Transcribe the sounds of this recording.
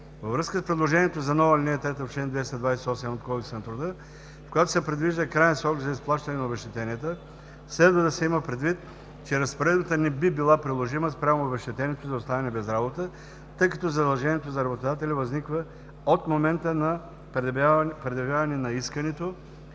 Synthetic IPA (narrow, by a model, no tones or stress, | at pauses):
vəvɾɤskəspɾɛd̪lˠoʒɛniɛt̪ozɐnɔvəlʲinɛɛt̪ɾɛt̪əfʃɛnd̪vɛst̪ɐd̪vajsɛɔsɛmot̪kɔlˠtʊsɛnɐt̪ɾʊd̪ə | fkojat̪o̥sɛpɾɛd̪viʒd̪əkɾajɛnsɾɔkzɐisplˠaʃt̪ɐnɛnɐobɛʃt̪ɛt̪ɛniɛt̪ə | slɛd̪vəd̪ɐsɛiməpɾɛd̪vit̪ | t͡ʃɛɾɐspoɾɛd̪bət̪ənɛbibilˠapɾilˠoʒiməspɾʲamoːbɛʃt̪ɛt̪ɛnʲiɛt̪ozɐʊst̪avɛnɛbɛzɾabot̪ə | t̪ɤjkɐt̪ɔzɐd̪ɐlˠʒɛniɛt̪ozɐɾɐbot̪od̪at̪ɛlʲivɐznikvə | ot̪momɛnt̪ənɐ | pɾɛd̪ɐvʲjavɐnɛnɐiskɐnɛt̪o